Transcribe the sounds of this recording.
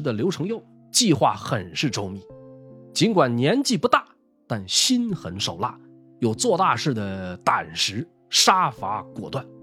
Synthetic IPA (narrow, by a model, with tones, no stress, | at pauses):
d̪ə˨ljo˧˥ʊʈ͡ʂʰɤ˧˥ŋjo˥˩ʊ | t͡ɕi˥˧xwa˥˩xə˨˩nʂɻ̩˥˩ʈ͡ʂo˥ʊmi˧˩˦t͡ɕi˧˥nkwa˨˩nnjɛ˧˥nt͡ɕi˥˩pu˧˥t̪a˥˩ | t̪a˥˩nɕi˥nxə˧˥nʂo˨˩ʊla̰˥˩ | jo˨˩ʊt͡swɔ˥˧t̪a˥˧ʂɻ̩˥˩d̪ə˩t̪a̰˨˩nʂɻ̩˧˥ | ʂa˥fa̰˧˥kwɔ̰˨˩t̪wa˥˩n